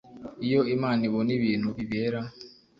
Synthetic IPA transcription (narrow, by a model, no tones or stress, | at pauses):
ijoimaːniβoniβiːn̤uβiβeɾa